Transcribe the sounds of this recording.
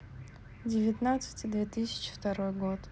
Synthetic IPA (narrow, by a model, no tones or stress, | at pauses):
dʲɪvʲɪt̪nat̪sɨ̥tʲid̪vʲet̪ɨsʲɪ̥t͡ʃʰi̥ft̪aɾojɡot̪